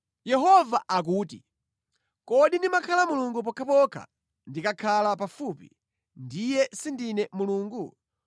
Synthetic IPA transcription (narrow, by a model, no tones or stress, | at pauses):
jɛɦɔvaʔak̬uːti | kɔɗindimakʰalamuluŋɡup̬ɔkʰapɔkʰa̰ | ndikakʰalapafupḭ | ndijɛsindinɛmuluːŋɡu